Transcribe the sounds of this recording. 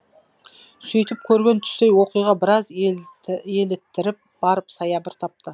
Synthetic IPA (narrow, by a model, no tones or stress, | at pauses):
sʏjt̪ɪp̚kʲʰɵɾɡʲe̞nt̪ʰʏ̥st̪ejwo̞qijʁɑbɪɾɑz | e̞lɪt̪ːɪɾɪp̚b̥ɑɾəpsɑjɑbɪɾt̪ʰɑp̚t̪ə